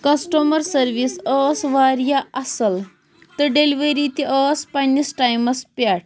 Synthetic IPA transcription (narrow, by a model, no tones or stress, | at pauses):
kɐsʈomɐɾsɐɾʋisəsʋaɾjaɐsəl | t̪əɖeliʋeɾit̪iʔəspanisʈajmɐspaʈ̚ʰ